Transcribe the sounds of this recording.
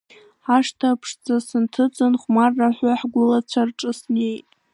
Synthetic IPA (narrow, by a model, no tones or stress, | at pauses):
aʂtʰapʰʂd͡zasɨntʰɨt͡sʼɨnχʷmarːaħʷaħɡʷʊlat͡ɕʷʰarʈ͡ʂʼɨsnejtʼ